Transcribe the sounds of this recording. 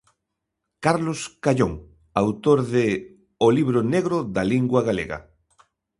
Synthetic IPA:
kaɾloskaʎoŋ | awt̪oɾðɪ | oliβ̞ɾoneɣɾoðaliŋɡwɐɣalḛɣɐ̰

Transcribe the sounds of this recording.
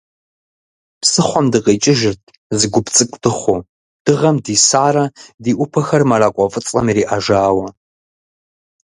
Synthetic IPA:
psɨχʷɔmdɨqet͡ʃʼɪʒɪrtʰ | zɨɡʷʊpt͡sʼɨkʷʼtʰɨχʷo | d̥ɨʁɐmdiːsaːɾɐdiːʔʷʊpʰɐxɐrmɐraːkʷʼɔfʼɨt͡sʼɐ̰mɾiːʔaʒaːwɐ

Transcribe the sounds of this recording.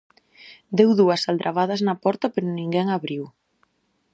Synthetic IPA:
d̪ewðuɐsald̪ɾʔaβaðɐznɐpɔɾt̪apeɾʊnĩŋɡɛŋaβɾiw

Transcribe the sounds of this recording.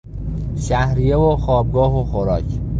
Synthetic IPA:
ʃæhɾijevoxɒːb̚ɡɒːɦoxoɾɒːcʰ

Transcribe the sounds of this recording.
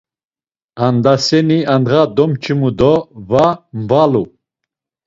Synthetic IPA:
and̪asɛniand̪ʁad̪ɔmt͡ʃʰimud̪ɔvamvalu

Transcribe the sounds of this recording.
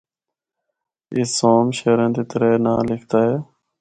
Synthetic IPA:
ɪsoːmʃeːɾẽːnd̪eːt̪əɾeːnaːlɪkʰt̪aːɦeː

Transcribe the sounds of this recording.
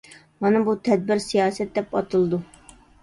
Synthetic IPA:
mɑnɨbut̪ʰɛd̪̚bɪɾsijɑːsɛt̪̚d̪ɛpɑt̪ʰɨlˠɨd̪u

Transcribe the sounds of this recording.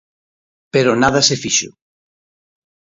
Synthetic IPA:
peɾonaðɐsefiʃʊ̰

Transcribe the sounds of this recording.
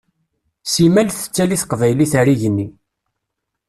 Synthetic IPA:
simælθə̥t͡sːæliθqvæjliθæɾiʝnːi

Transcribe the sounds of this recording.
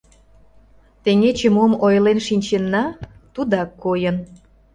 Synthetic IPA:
t̪eŋet͡ɕemomojlenʃinʲt͡ɕenːɑt̪ud̪ɑkːojən

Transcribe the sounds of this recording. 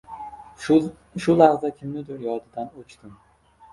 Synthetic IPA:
ʃʊlaɾzakʲʰɪmnɪd̪ʊɾjɒd̪ɪd̪anot͡ʃt̪ɪm

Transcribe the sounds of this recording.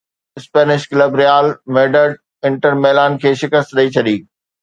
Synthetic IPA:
ɪspeːnɪʃkləbɾijaːlmeːɖəɖ | ɪ̃ɳʈəɾmeːlaːnkʰeːʃɪkəst̪ɗɐit͡ɕʰɐɗiː

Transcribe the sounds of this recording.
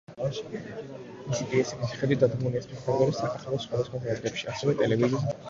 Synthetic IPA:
isik̪ʼiɛsikʰisi̥χɛd̪wit̪̚d̪ad̪ɡmuliɛspʰikʰvaɾɡ̪ɔɾɛsakʼχʰalˠɔsχwad̪asχwazɛad̪ɾɛpʃiasɛvɛt̪ʼɛlɛvizi

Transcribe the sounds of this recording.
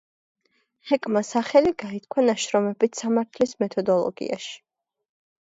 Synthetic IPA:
hɛkʼmasaχɛliɡait̪̚ʰkʰwanaʃɾɔmɛbit̪ʰsamaɾt̪ʰlismɛt̪ʰɔd̪ɔlˠɔ̰ɡḭa̰ʃi̥

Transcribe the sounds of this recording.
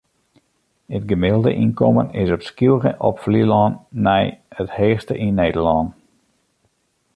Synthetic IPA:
ətɡəmɪlˠdə̰ʔinkɔmənɪsɔpskilɣəʔɔ̰pfliəlɔnːɛjətheːxstəʔineːdəɹlɔn

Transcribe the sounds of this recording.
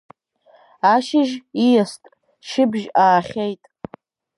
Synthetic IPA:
aʃɪʒijastʼ | ʃɪbʒaːχʲejtʼ

